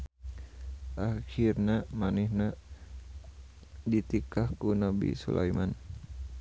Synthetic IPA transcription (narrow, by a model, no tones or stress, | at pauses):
ʔahirnamanihna | dit̪ikahkunabḭsṵla̰jman